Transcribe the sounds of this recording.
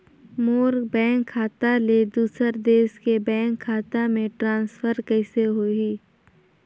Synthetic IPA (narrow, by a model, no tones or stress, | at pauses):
moːɾbɛ̃ːŋkʰːaːt̪aled̪uːsəɾd̪eːskebɛ̃ːŋkʰːaːt̪amẽʈɾãːnsfəɾkɛːseɦoiː